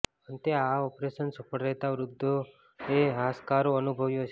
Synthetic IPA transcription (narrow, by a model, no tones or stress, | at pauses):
ənt̪eaɔpɾeʃənsəpəɽɾɛɦt̪aʋɾʊd̪ʱːo | eɦaskaɾoənubʱəʋjot͡ʃʰe